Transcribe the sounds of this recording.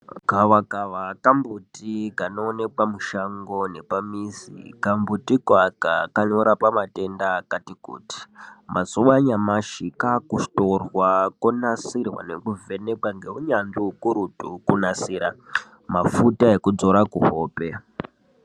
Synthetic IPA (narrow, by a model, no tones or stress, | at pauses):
kaʋakaʋakambutikano̞ːne̞kwamuʃaŋɡo̞ne̞pamizḭkambutikwakakanoɾapamate̞ndakatikṵːti̥mʔazuʋaɲamaʃikakusto̞rwakonasirwa̰ne̞kuve̞ne̞kwaŋɡe̞uɲanʐiɦukuɾutṵkunasiːɾa | mafutae̞kud͡zo̞ɾakuɦoːpe̞